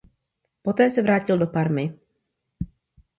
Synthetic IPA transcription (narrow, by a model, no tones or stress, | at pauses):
pot̪ɛːsɛvɾaːcɪldopaɾmɪ